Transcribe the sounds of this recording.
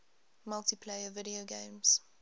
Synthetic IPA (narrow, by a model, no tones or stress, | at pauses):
mʌltipʰleɪəvɪɾioʊɡẽɪ̃mz̥